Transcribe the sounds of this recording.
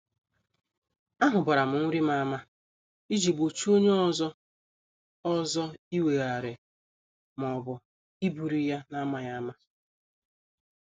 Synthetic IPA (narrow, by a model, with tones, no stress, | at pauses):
a˦ɦʊ˨ba˨ɾa˨mʊ˨ŋ̩˦ɾi˦ma˨˦ma˦ | i˦d͡ʒi˨bo˨t͡ʃu˦o˦ɲe˦ɔ˦zɔ˦ | ɔ˦zɔ˦i˦we˨ɣa˨ɾɪ˨ | m˨ɔ˨bʊ˨ | i˦bu˨ɾi˨ja˦na˦ma˦ja˦ma˦